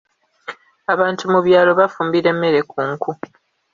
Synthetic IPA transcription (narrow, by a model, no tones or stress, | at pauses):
aβaːntumuβjaːlo̞βafuːmbiɾe̞mːe̞ɾe̞kʰuːŋkʰu